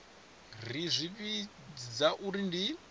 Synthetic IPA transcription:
rizʷiβi | d͡zaʔuɾindi

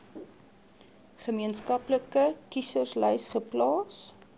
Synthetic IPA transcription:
χəmiənskɐpləkəkisərslœjsχəplɑːs

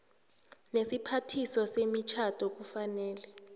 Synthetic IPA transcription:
nesipʰatʰisɔsemit͡ʃʰad̥ʰʱʼɔk̬ufanɛːlɛ

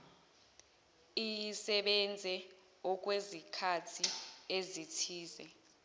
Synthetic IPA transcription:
ijisɛɓɛnd͡zʱɛ | ɔk̬ʼwezikʰatʰiezitʰiːzɛ

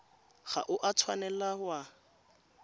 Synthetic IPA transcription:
ɣa̰ʔʊʔatʰwanɛlahʊa

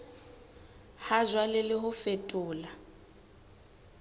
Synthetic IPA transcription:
hazwalɪlɪɦʊfetʼʊːla

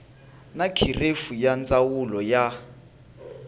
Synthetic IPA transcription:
nakʰirefujand͡zʼawulɔja

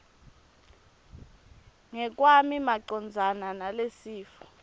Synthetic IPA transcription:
ŋɛk̬ʼwamimaǀɔnd͡zʱananalesiːfɔ̥

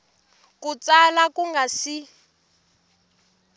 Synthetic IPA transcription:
kut͡salakuŋɡasi

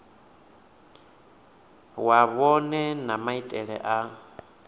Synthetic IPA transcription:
waβɔnɛnamaitʼɛɺɛ̰ʔa

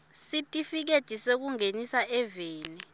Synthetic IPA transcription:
sitʼifik̬ed̥ʒ̥ʱisek̬uŋenisaʔɛveːni

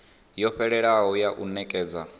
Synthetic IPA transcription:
jɔɸɛɺɛɺaɦɔjaʔunɛkʼɛːd͡za

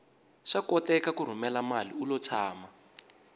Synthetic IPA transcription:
ʂakɔtɛkakuɾ̤umɛlamaliulɔt͡sʰaːma

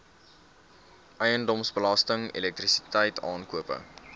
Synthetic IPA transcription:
ʔəjəndɔmsbəlɐstəŋḭlɛk̚trisitɛjtɑːnkuəpə̰

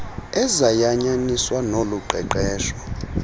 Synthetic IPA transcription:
ɛzajaɲaniswanoluǃʱɛ̰ǃɛːʃɔ

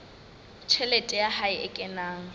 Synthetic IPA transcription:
t͡ʃʰɛlɛtʼɛjahaɪʔɪkʼɛnaːŋ̩

